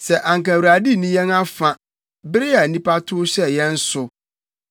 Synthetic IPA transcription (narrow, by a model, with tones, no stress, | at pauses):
sɛ˨ʔã˨ŋ˨kã˨wɾa˨di˦nĩ˦jɛ̃˦na˦fã˨ | bɪ˦ɾɪ˦a˨nĩ˦pa˦tʰʊ˦ɕɛ˦jɛ̃˦n̩˦sʊ˨